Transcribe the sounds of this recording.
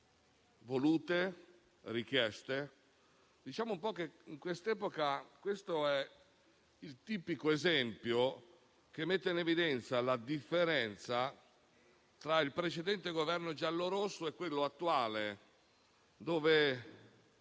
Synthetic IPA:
voluːt̪e | rik̟jɛst̪e | d̪it͡ʃaːmoumpɔkeiŋkwest̪ɛːpokakwest̪oɛ | ilt̪iːpikoezɛmpjo | k̟emːet̪ːeinevid̪ɛnt̪salad̪ifːeɾɛnt̪sa | t̪ɾailpɾet͡ʃed̪ɛnt̪eɡovɛrnod͡ʒalːoɾosːoekːwelːoat̪ːuaːle | d̪oːve

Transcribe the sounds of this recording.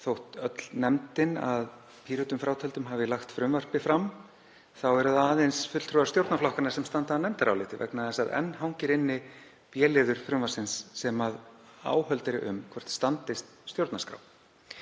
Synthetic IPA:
θowht̪œt̪lnɛmt̪ɪnað | pʰiːɾʏt̪ʏmfɾaːwt̪ʰɛlt̪ʏmɦavɪlaxt̪fɾʏmvar̥pɪfɾam | θawɛɾʏðaaːðejnsfʏt̪lt̪ʰɾoaɾst̪jowɾt̪naflɔhkanḁsɛmst̪ant̪aːnɛmt̪aɾawlɪːt̪ɪvɛ̰knaðɛsaðɛ̰nːɦawɲcɪɾɪnːɪ | pjɛːlɪːðʏɾ̥fɾʏmvasɪnsːɛmaða̰ːwɦœlt̪ɪɾɪʔʏ̰mkʰvɛr̥t̪st̪ant̪ɪst̪̚st̪jowɾt̪naskɾa̰w

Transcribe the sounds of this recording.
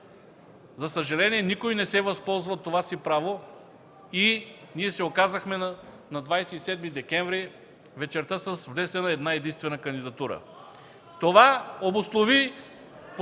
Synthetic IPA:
zɐsəʒɐlɛniɛnikojnɛsɛvɐspɔlˠzvət̪ːovasipɾavo | iniɛsɛokazəxmɛ | nɐd̪vajsɛisɛd̪mid̪ɛkʲɛɱvɾi | vɛt͡ʃɛɾt̪əsəsvd̪ɛst̪ənɐɛd̪naɛd̪inst̪vɛnəkɐnd̪id̪ɐt̪uɾə̰ | t̪ovaobuslˠovi | p

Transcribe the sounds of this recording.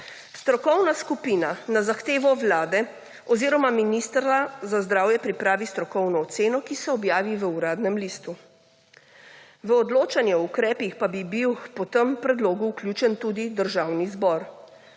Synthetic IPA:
st̪ɾɔkɔwnaskupiːnanazaxt̪eːʋɔʋlaːd̪ɛ | ɔziːɾɔmaminist̪ɾazazd̪ɾaːwjɛpɾipɾaːʋist̪ɾɔkɔwnɔːt̪seːnɔkisɛɔbjaːʋiʋəuɾaːd̪nɛmliːst̪u | ʋəɔd̪loːt͡ʃanjɛɔukɾɛːpixpabibiwpɔt̪əmpɾɛd̪loːɡuːklʲjuːt͡ʃɛnt̪uːd̪id̪əɾʒaːwnizbɔɾ

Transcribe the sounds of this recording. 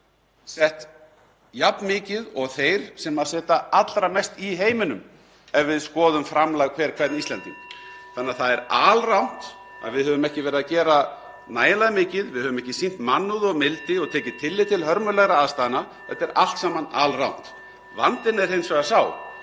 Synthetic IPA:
sɛht̪ | japnmɪːcɪðɔɣθejɾ̥sɛmaðsɛːt̪aat̪lɾamɛst̪iɦeːjmɪnʏm | ɛvvɪðskɔːðʏmfɾamlajɣkʰvɛɾ̥kʰvɛɾt̪nist̪lɛnt̪ʏmθanːaθaðɛɾaːlrawn̥t̪ | a̰ðvɪðhœːvʏmɛhcɪvɛːɾɪðacɛːɾa | naːjlaðmɪːcɪðvɪðhœvʏmɛhcɪsin̥t̪manːʏðɔɣmɪlt̪ɪɔɣt̪ʰɛːcɪt̪ʰɪlːɪt̪ʰɪlɦœɾmʏlɛɣɾaaðst̪ajðɪna | θɛt̪ːɛɾa̰l̥t̪saːmana̰ːlrawn̥t̪ | va̰nt̪ɪnɛɾhejnsvɛɣasaːw

